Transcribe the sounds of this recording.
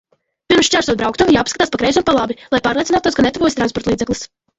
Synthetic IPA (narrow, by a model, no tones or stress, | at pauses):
piɾmʃt͡ʃæɾsuɔt̪̚bɾawkt̪uvjaːpskat̪aːspakɾɛjzunpalˠabilˠajpaːɾlʲˠiɛnaːt̪uɔs̬kanɛt̪uvɔjsit̪ɾanspɔɾt̪lˠiːd̪zɛklˠis